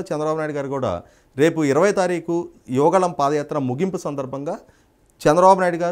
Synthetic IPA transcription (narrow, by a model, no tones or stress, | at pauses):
t͡ʃɛnd̪ɾɐbaːbunaːjɽɡaːɾukuːɽa̰ː | ɾe̞ːpuiɾɐʋɐjt̪aːɾiːku | juʋɐɡɐɭɐmpaːd̪ɐjaːt̪ɾɐmuɡimpusɐnd̪ɐɾbʱɐŋɡaː | t͡ʃɛnd̪ɾɐbaːbunaːjɽuɡaː